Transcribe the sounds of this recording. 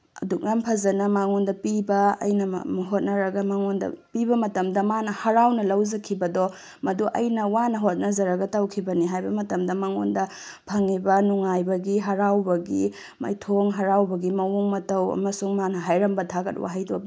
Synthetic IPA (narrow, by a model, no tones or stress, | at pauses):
ɐ̰duk̚nampʰɐzɐnɐmaŋondɐpibɐɐ̰jnɐ̰ɦot̚nɐɾɐɡɐmaŋondɐ̰pibɐmɐtɐmdɐmanɐhɐɾawnɐlɐwzɐkʰibɐdɔ | mɐduʔɐjnɐwanɐɦot̚nɐzɐɾɐɡɐtɐwkʰibɐniɦajbɐmɐtɐmdɐmaŋo̰ndɐ | pʰɐŋibɐnuŋajbɐɡiɦɐɾawbɐɡi | ma̰jtʰoŋɦɐɾawbɐɡimɐwuŋmɐtɐwɐ̰mɐsuŋmanɐɦajɾɐmbɐtʰaɡɐ̰t̚wa̰ɦajdo̰